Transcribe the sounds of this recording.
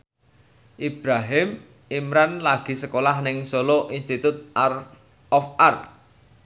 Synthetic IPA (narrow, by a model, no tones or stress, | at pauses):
ʔib̥ɾaɦɪm | imɾanlaɡ̥i̤səkolahnɪŋsoloʔinst̪it̪ʊt̪̚ar | ɔfar